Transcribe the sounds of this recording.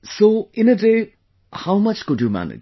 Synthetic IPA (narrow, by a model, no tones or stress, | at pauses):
soɪ̃nəde | hawmʌt͡ʃkʊdjumæ̰nɪ̰d͡ʒ